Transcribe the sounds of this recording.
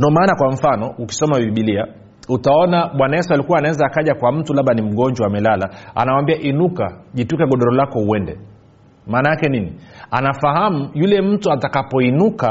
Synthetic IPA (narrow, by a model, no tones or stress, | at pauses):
ndɔmaːnakwaɱ̩fanɔuki̥sɔmaviiɓilia | utaɔnaɓwanaɛsɔalikuwaːnawɛzaːkaʄakwam̩tulaɓanim̩ɠɔɲd͡ʒwaːmɛlalaa̰nawambiaʔinukaʄitukɛɠɔɗɔɾɔlakɔuɛndɛ̰ | maːnaakɛninianafaɦamujulɛm̩tuatakapɔinuka